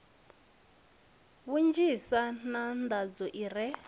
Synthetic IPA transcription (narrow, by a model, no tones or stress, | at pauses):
βund͡ʒisanand̪ʱad͡zɔʔiɾɛ